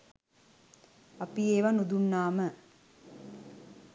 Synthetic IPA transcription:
ɐpieːʋanud̪unːaːmə

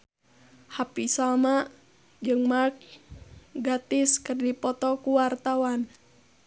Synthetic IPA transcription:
hapisalmaʔ | d͡ʒɨŋmak̚ | ɡat̪ɪskɨrdipɔt̪ɔkuwart̪awan

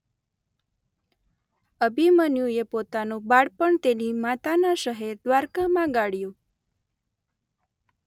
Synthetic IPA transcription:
əbʱimənjũepot̪anũbaɽpəɳt̪enimat̪anaʃəɦeɾd̪ʋaɾkamãɡaɽjũ

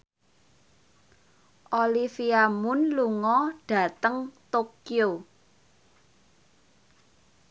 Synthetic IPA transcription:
ʔolifiamʊnluŋɔɖ̥ä̤t̪əŋt̪okio

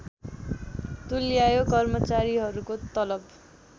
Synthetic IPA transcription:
t̪uljajokʌrmʌt͡saɾiɦʌɾukot̪ʌlʌb

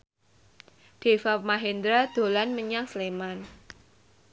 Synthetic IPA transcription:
d̪̥e̤fapmaɦend̪ɾad̪̥o̤lanməɲaŋsleman

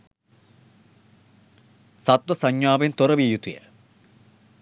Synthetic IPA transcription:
sɐt̪ʋɐsɐɲjaːʋent̪oɾɐʋijut̪ṵjɐ̰

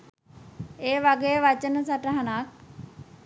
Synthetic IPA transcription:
eːʋaɡejʋat͡ʃənəsaʈəɦanak̚

